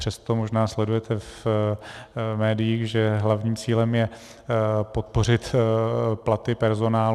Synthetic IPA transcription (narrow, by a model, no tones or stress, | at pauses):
r̝̥ɛst̪o̞mo̞ʒnaːslɛdujɛt̪ʰɛf | mɛːdɪjiːxʒɛɦlavɲiːmt͡siːlɛmjɛ | po̞t̪po̞r̝ɪt̪ | plat̪ɪpɛɾzo̞naːl